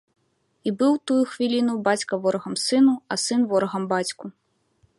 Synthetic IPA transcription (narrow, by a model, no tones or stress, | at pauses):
ibɨwt̪ujuxvʲilʲinubat͡sʲkɐvɔɾɐɣɐmsɨnuɐsɨnvɔɾɐɣɐmbat͡sʲku